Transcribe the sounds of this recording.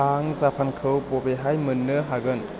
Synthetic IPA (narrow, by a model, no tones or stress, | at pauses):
aŋzapʰankʰɯwpɔbeɦajmɯnːɯɦaɡɯn